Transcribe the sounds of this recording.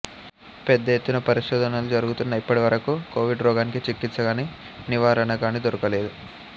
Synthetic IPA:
pɛd̪ːɐjet̪ːunɐpɐɾiʃɔːd̪ʱɐnalud͡ʒɐɾuɡut̪unːɐipːɐɽiʋɐɾɐkukoːʋiɖɾɔːɡaːnikit͡ʃikːit̪sɐɡaːniː | niʋaːɾɐnɐkaːniːd̪oɾɐkɐle̞ːd̪u

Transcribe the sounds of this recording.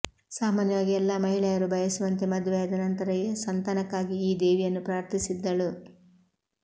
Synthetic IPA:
saːmaːnjɐʋaːɡiɛlːɐmɐɦiɭɛjɐɾubʱɐjɐsuʋɐnt̪e̞mɐd̪ʋeɐd̪ɐnɐnt̪ɐɾɐjesɐnt̪ɐnɐkːaːɡiːd̪eːʋijɐnːupɾaːɾt̪ʰisid̪ːɐɭu

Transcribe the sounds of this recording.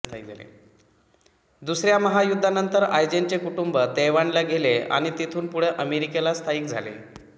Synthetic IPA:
t̪ʰaik̚d͡zʱalḛ | d̪usɾjaməɦajud̪ʱːanənt̪əɾajd͡ʑent͡ɕekuʈumbəd̪eʋanlaɡʱelea̰ɽ̃it̪it̪ʰuːnpuɽ̤eʔəmeɾikelast̪ʰaiːkd͡zʱa̰lḛ

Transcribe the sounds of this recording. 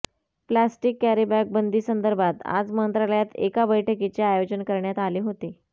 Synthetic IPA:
plasʈikːæɾibæk̚bənd̪ʱiːsənd̪əɾbʱat̪a̰d͡zmənt̪ɾaləjat̪ḛkabəjʈʰəkit͡ɕeajod͡ʑənkəɾɳjat̪aliːɦot̪i

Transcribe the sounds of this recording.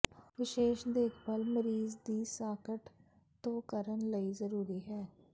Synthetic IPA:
ʋɪʃeːʃd̪eːkʰbəlməɾiːzd̪iːsaːkəʈ | t̪õːkəɾənləiːzəɾuːɾiːɦɛː

